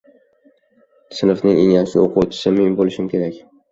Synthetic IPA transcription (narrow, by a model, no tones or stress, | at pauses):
sɪnɨfnɪŋeŋasɪ̰oqʰut͡ʃʰɪ̥sɪmenbolɪʃɪmkʲʰe̞ɾakʲ